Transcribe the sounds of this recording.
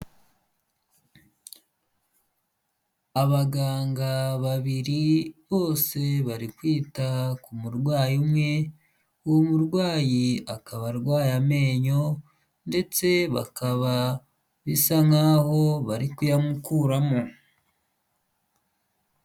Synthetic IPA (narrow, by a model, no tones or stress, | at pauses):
aβaɡaːŋɡaβaβiɾiβo̞ːse̞βaɾikwiːtakumuɾɡwaːjumŋe̞ | uwomuɾɡwaːjiakaβaɾɡwaːjame̞ːɲo̞ | nde̞t͡se̞βa̰kʰaβa | βisaŋaːho̞βaɾikujamukuːɾamo